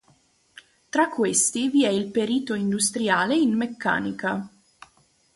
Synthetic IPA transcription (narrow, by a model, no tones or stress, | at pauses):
t̪ɾakːwest̪iviɛilpeɾiːt̪oind̪ust̪ɾjaːleinmekːa̰ːnika